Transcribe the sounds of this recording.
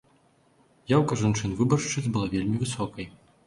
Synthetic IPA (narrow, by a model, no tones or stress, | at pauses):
jawkɐʐant͡ʂɨnvɨbɐrʂt͡ʂɨzʲbɨlˠavʲelʲmʲivɨsɔkɐj